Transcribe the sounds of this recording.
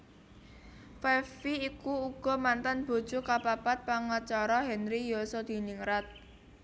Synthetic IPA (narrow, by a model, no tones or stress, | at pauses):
fɛfiːkuuɡ̥ɔ̤mant̪anb̥o̤̥ʒ̥ukapapat̪̚paŋat͡ʃaɾɔɦɛnɾijosɔd̪̥i̤niŋɾat̪̚